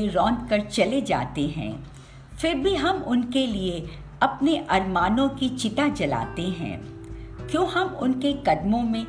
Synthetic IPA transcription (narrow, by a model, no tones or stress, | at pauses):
ẽɾɔ̃ːnd̪kɐɾt͡ʃɐled͡ʒa̰ːt̪eɦɛ̰̃ː | fɪɾbʱiɦɐmʊnkelie | ɐpneʔɐɾmaːnõkit͡ʃɪt̪at͡ʃɐla̰ːt̪eɦɛ̰̃ː | kjõːɦɐmʊnkekɐɖmõmẽ